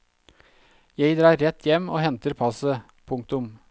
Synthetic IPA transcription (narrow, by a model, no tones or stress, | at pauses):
jæɪd̪ɾɑːɾːɛt̪ʰjɛmoːhɛnt̪əɾpʰɑsə | pʰʊŋk̚t̪ʊm